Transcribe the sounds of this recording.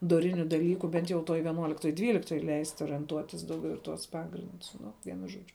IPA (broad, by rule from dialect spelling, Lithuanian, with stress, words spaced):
doːˈrʲɪnʲʊ dɐˈlʲiːkʊ ˈbʲɛnt jɛʊ toːj ʋʲiɛˈnuɔlʲɪktoːj ˈdʲʋʲiːlʲɪktoːj lʲɛɪsʲtʲ oːrʲiɛnˈtuɔtʲɪs ˈdɐʊɡʲɛʊ ɪ ˈtuɔs ˈpɑːɡrʲɪndʊs ˈnʊ ˈʋʲiɛnʊ ˈʒuɔd͡ʒʲʊ